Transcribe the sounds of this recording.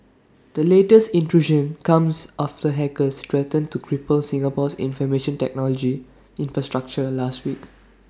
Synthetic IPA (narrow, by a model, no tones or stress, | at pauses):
d̥əletəstĩntɹuʒə̃nkãmsʔaftəɦɛkəstɹɛtə̃ntukʰɹipəlsĩŋəpɔsḭ̃nfɔmeʃə̃ntɛ̰k̚nɔlɔd͡ʒi | ĩnfɹastɹak̚t͡ʃəlastwik